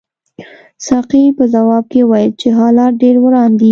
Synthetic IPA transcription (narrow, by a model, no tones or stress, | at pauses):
sɑqipəzawɑb̚kewɑjəlt͡ʃeɦɑlɑɾ̚ɖeɾwɾɑnd̪i